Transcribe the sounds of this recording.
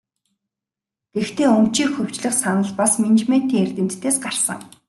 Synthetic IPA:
ɡ̥ext̪ʰeːɵmt͡ɕiːkxɵw̥t͡ɕɮɘ̆χsanə̆ɮpasmint͡ɕme̥t̪iːŋert̪ɘ̆m̥t̪ʰːeːsɢar̥sə̰̆ŋ

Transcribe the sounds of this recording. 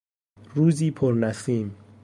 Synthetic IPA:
ruzipʰɔrnasim̩

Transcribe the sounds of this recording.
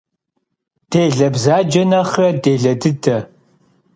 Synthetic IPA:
d̥eːɮɐbzaːd͡ʒɐnɐχrɐdeːɮɐdɨdʰɐ

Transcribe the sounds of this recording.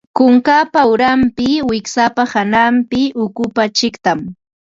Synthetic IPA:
kʊŋkapawɾampɪwɪksapahanampɪʊkʊpat͡ʃɪkt̪am

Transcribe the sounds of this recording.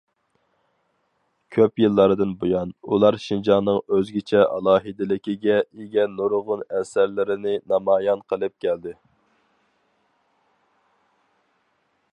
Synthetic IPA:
kʲʰøpjɨlˠːɑɾɨd̪ɨnbojɑnulˠɑɾʃind͡ʒɑnːɨŋøzɡʲɪt͡ʃʰɛʔɑ̰lˠɑːɦɨd̪ɪlɪkʲiɡʲɛeɡʲɛnːoɾʁʊnɛsæɾlɪɾɪnɪnɑmɑːjɑnqʰəlˠɨp̚kʲʰɛld̪ɪ

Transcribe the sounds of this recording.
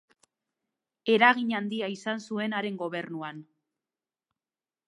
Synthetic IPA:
e̞ɾaɣiɲand̪iaisansue̞naɾe̞ŋɡo̞β̞e̞rnuan

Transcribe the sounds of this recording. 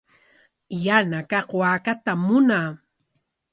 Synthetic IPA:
janakɑqwaːkat̪amːʊnaː

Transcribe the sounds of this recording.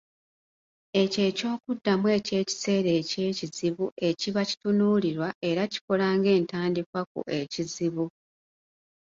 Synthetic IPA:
e̞ce̞ːco̞ːkudːamwe̞ːce̞ːci̥se̞ːɾe̞ːce̞ːciziβuʔe̞ciβaci̥tunuːliɾwaʔe̞ɾaci̥ko̞laːŋɡe̞ːntaːndikwakṵʔe̞ciziβu

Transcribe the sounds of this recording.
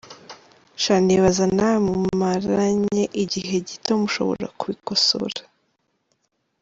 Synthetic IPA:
ʃaniβazanamumaɾaɲe̞ʔiɟiɦe̞ɟitomuʃo̞̰βo̞̰ɾa̰kuβikoso̰ɾḁ

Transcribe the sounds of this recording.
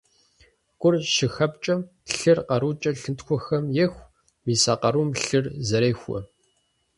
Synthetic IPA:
kʷʼʊrʃɪxɐp̚t͡ʃʼɐm | ɬɨrqɐɾuːt͡ʃʼɐɬɨntxʷɔxɐmjɛxʷ | miːsaqɐɾuːmɬɨrzɐɾeːxʷɔ̰

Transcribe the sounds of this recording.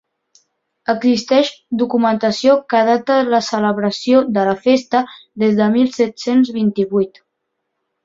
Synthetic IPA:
əɡzist̪ɛʃd̪ukumənt̪əsiokað̞at̪ələsələβɾəsioðələfest̪əðezðəmilˠsɛt̪senzβint̪iβujt̪

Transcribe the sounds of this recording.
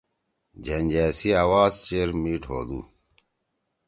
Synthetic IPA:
d͡ʑɐnʲd͡ʑæːsiaːwaːzt͡ɕeɾmiːʈɦo̰ːd̪ṵ

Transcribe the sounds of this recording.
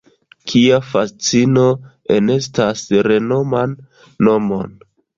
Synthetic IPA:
kʰiafast͡sino̞ | e̞ne̞stasɾe̞no̞manː | o̞mo̞n

